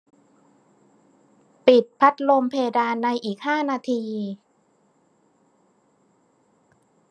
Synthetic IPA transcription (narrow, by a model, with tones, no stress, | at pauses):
pi˨˩t̪̚pʰa˦˥t̪̚lo˧mpʰeː˧daː˧nːa˧jʔiː˨˩k̚haː˥˩naː˧t̪ʰiː˧